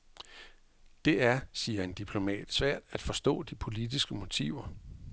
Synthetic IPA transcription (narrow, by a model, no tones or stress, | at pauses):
d̥e̝æɐsiːɐe̝nd̥ipʰlo̝mɛ̰ːd̥sʋæɐ̰d̥æd̥fɒ̽sd̥ɔ̰ːd̥ipʰo̝lid̥isɡ̥əmo̝t͡sʰḭʊɐ